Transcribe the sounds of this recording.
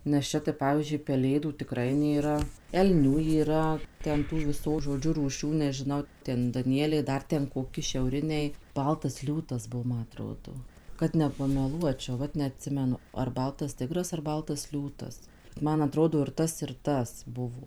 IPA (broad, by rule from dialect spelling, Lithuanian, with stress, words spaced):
nʲɛs ˈt͡ʃʲɛ tɐɪ ˈpɑːʋʲiːzʲd͡ʒʲʊɪ pʲɛˈlʲeːduː tʲɪˈkrɐɪ nʲeːˈrɐ ɛlʲˈnʲuː iːˈrɐ ˈtʲɛn ˈtuː ʋʲɪˈsoː ʒoːˈd͡ʒʲʊ ruːˈʃʲuː nʲɛʒʲɪˈnɐʊ ˈtʲɛn dɐˈnʲiɛlʲɛɪ ˈdɐr tʲɛn koːˈkʲɪ ʃʲɛʊˈrʲɪnʲɛɪ ˈbɐlˠtɐs ˈlʲuːtɐs ˈbuɔ ˈmɐ ɐˈtroːdoː kɐt nʲɛpɐmʲɛˈlˠuɔt͡ʃʲɛʊ ˈʋɐt nʲɛɐtʲˈsʲɪmʲɛnʊ ɐr ˈbɐlˠtɐs ˈtʲɪɡrɐs ɐr ˈbɐlˠtɐs ˈlʲuːtɐs ˈmɐn ɐˈtroːdoː ɪr ˈtɐs ɪr ˈtɐs ˈbʊʋoː